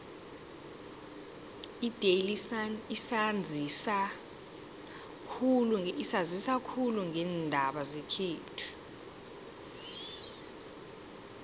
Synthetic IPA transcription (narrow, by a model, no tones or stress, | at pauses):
id̥ʱelisanisand͡zʱisa | kʰuluisazisakʰuluŋʱɛːndʱaɓazekʰiːtʰu̥